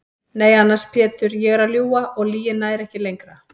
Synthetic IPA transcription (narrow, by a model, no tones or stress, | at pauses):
neːjanːḁspʰɛːt̪ʏɾjɛɣɛɾaljuːaʔɔɣliːjɪnːaɛɾɛhcɪlejŋkɾa